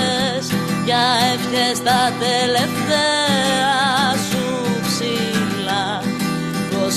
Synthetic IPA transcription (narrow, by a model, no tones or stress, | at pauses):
sʝɐefçest̪ɐt̪eleft̪eɾɐsu | psilɐ | tos